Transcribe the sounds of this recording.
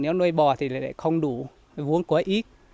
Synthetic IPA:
ne˨˦wnəː˧jɓɔ˨˩t̪ʰi˨˩l̰la̰ː˧˨jxə˧wŋ͡mɗu˧˩ | vu˨˦ənkwaː˨˦ʔi˦˥t̚

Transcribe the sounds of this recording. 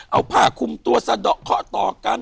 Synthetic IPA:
ʔa˧˩wpʰaː˧˩kʰu˧mt̪u˧ɐsa˧dɔ˨˩kʰːɔ˦˥t̪ɔː˨˩ka˧n

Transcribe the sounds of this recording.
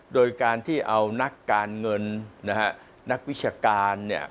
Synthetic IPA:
doː˧jkaː˧nt̪ʰiː˥˩ʔa˧wna˦˥kːaː˧nŋɤ˧nna˦˥kʰa˦˥ | na˦˥k̚wi˦˥t̚t͡ɕʰaː˧kaː˧nːi˦˥˩ɐ

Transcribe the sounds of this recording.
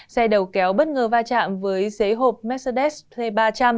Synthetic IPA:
sa˧jɗə˨˩wkɛ˨˦wɓə˦˥t̚ŋəː˨˩vaː˧t͡ɕa̰ː˧˨mvəː˨˦jse˨˦ɦo˨˩p̚mɛ˦˥t̚se˧ɗɛ˦˥spʰle˧ɓaː˧t͡ɕa˧m

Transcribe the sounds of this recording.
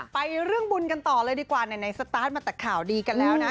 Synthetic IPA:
pa˧jɾɯ˥˩əŋbu˧nka˧nt̪ɔː˨˩lɤː˧jdiː˧kwaː˨˩na˨˩jna˧jsa˧t̪aː˦˥t̪̚maː˧˩t̪ɛː˨˩kʰːaː˨˩wdiː˧ka˧nlɛː˦˥wnna˦˥

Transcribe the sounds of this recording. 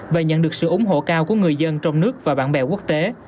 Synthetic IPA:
veː˨˩ɲə̰˧˨nɗɨ˨˩ək̚sɨ̰˧˨ʔʊ˨˦ŋ͡mɦo̰˧˨kaː˧wku˧˩əŋɨ˨˩əjzə˧nt͡ɕɔ˧wŋ͡mnɨ˦˥ək̚vaː˨˩ɓa̰ː˧˥˨nɓɛ̰˧˩ku˦˥ək̚t̪e˨˦

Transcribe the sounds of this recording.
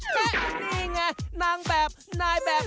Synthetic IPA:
lɛ˧˩miː˧˩ŋa˧˩jna˧ŋbɛː˨˩p̚naː˧˩jbɛː˨˩

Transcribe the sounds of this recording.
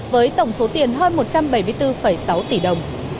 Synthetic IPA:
vəː˨˦jt̪ə˧˩wŋ͡mso˨˦t̪i˨˩ənɦəː˧nmo˨˩t̚t͡ɕa˧mɓə˧˩jmɨ˧əjt̪ɨ˧fə˧˩jsa˨˦wt̪i˧˩ɗə˨˩wŋ͡m

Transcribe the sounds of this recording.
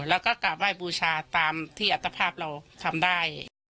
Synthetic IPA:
lɛː˧˥˩wkɔː˥˩ka˧˩waː˧˥˩jbuː˧t͡ɕʰaː˧t̪aː˧mt̪ʰiː˥˩ʔa˧˩t̪ʰːa˧pʰaː˥˩p̚ɾa˧wt̪ʰa˧mdaː˥˩j

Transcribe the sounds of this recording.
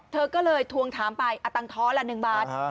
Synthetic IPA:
t̪ʰɤː˧kɔː˥˩lɤː˧jt̪ʰu˧əŋt̪ʰaː˩˦mpa˧jʔa˧t̪a˧ŋt̪ʰɔː˦˥la˧nɯ˨˩ŋbaː˥˩t̪̚

